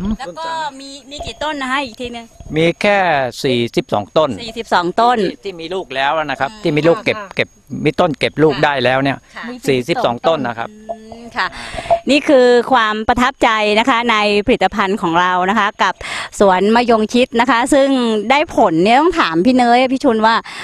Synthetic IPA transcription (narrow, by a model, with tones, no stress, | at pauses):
lɛ˦˧kɔː˥˩miː˧miː˧kiː˨˩t̪o˥˩nːa˦˧kʰa˥ʔiː˨˩k̚t̪ʰiː˧˩nɯ˧miː˧kʰɛː˥˩siː˨˩si˨˩p̚sɔ̰ː˩˦ŋt̪o˥˩nsiː˨˩si˨˩p̚sɔː˩˦ŋt̪o˥˩nt̪ʰiː˥˩miː˧luː˥˩k̚lɛː˦˥wʔa˨˩na˦˥kʰa˦˥p̚t̪ʰiː˥˩miː˧˦luː˥˩kːe˨˩p̚ke˨˩p̚miː˧˥t̪o˥˩nke˨˩p̚luː˥˩k̚daː˥˩jlɛː˦˥wni˥˩ɐsiː˨˩si˨˩p̚sɔː˩˦ŋt̪o˥˩nːa˦˧kʰa˦˥p̚ːkʰa˥˩niː˥˩kʰɯː˧kʰwaː˧mpɾa˧t̪ʰa˦˥p̚t͡ɕa˧jna˦˥kʰa˦˥na˧jpʰa˧li˨˩t̪ːa˧pʰa˧nkʰɔː˩˦ŋɾa˧wna˦˥kʰa˦˥ka˨˩p̚su˩˦ənmaː˧jo˧ŋt͡ɕʰi˦˥t̪̚na˦˥kʰa˦˥sɯ˥˩ŋdaː˥˩jpʰo˩˦nːi˦˥˩t̪ɔ˥˩ŋt̪ʰaː˩˦mpʰiː˥˩˨nɤː˦˥ja˧pʰiː˥˩t͡ɕʰuː˧nwaː˥˩